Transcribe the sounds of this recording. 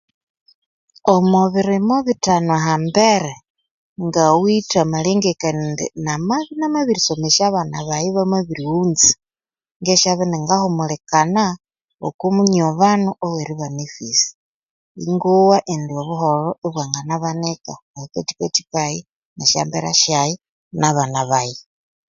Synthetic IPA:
omoβiɾimoβitanoaɦambeɾe | ŋɡawitamaleŋɡekandḭnamaβinamaβiɾisomeʃaβanaβajiβamaβiɾiunt͡si̥ | ŋɡeʃaβaneŋɡahomulekana | o̰kumuɲoβanuʔoweɾiβanefisi̥ | ḭŋɡuwaʔendioβuɦoloeβwaŋɡanaβanekaβahiketi̥keti̥kaji | naʃa̰mbeɾa̰ʃjaji | naβanaβaji

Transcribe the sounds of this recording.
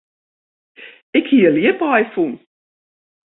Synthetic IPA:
ɪkhiːəliəpɑjfun

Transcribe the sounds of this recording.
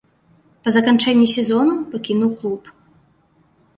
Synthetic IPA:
pɐzɐkant͡ʂɛnʲːisʲɛzɔnupɐkʲinuwklˠup

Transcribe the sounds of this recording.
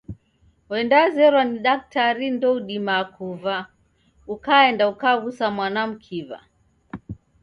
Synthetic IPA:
wɛndazɛɾwaniɗak̚taɾindɔuɗimakʰuva | ukaɛndaukaɣusamwanam̩kʰiva̰

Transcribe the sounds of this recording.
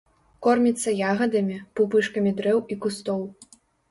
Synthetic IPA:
kɔrmʲit̪sːɐjaɣɐd̪ɐmʲipupɨʂkɐmʲid̪ɾɛwikust̪ɔw

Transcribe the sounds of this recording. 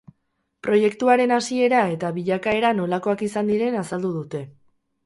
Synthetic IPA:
pɾo̞je̞kt̪uaɾe̞nasie̞ɾae̞t̪aβiʎakae̞ɾano̞lako̞akisand̪iɾe̞nasald̪uðut̪e̞

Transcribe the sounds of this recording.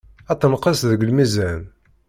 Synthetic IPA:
æt̪ːənqəsðəɡəlmizæn

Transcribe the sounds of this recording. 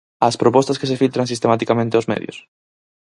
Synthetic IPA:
aspɾopɔst̪ɐskesefilt̪ɾãŋsist̪emat̪ikamẽnt̪eozmḛðjʊ̰s

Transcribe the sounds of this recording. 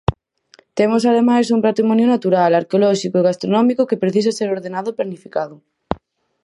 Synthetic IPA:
t̪emosaðemajs̬umpat̪ɾimɔ̃njonat̪uɾalaɾkeolɔʃikoeɣast̪ɾonɔmikokepɾeθis̬aseɾoɾðenaðoplanifikaðʊ

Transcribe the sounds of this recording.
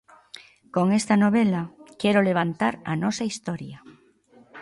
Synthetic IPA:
koŋest̪anoβ̞elakeɾoleβ̞ant̪aɾanosaist̪oɾja

